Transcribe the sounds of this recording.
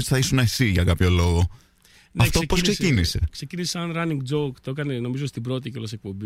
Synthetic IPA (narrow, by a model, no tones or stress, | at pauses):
ot̪i̥θɐisunɐesiʝɐkɐpço̞lo̞ɣo̞ | nɐft̪oposkkse̞scinise̞ksecinisisɐnɾɐniŋɡd͡zokt̪oekɐneno̞mizost̪ibɾo̞t̪iceolosek̚pombi